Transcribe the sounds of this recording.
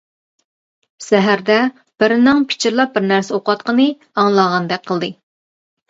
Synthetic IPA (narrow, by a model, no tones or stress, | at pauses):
sɛɦæɾd̪ɛ | b̥ɪɾɪnɪŋpʰɪ̥t͡ʃʰɪɾlˠɑp̚bɪɾnæɾsɪoqɑt̪̚qʰənɨ | ɑŋlˠɑʁɑnd̪ɛk̚ʲqʰəlˠd̪ɨ